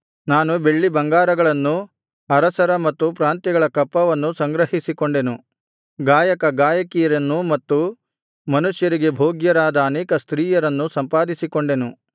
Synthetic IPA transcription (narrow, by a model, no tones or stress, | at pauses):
naːnube̞ɭːibɐŋɡaːɾɐɡɐɭɐnːu | ɐɾɐsɐɾɐmɐt̪ːupɾaːnt̪jɐɡɐɭɐkɐpːɐʋɐnːusɐŋɡɾɐɦisikoɳɖe̞nu | ɡaːjɐkɐɡaːjɐkijɐɾɐnːumɐt̪ːu | mɐnuʂjɐɾiɡe̞bʱoːɡjɐɾaːd̪ɐːneːkɐst̪ɾiːjɐɾɐnːusɐmpaːd̪isikoɳɖe̞nu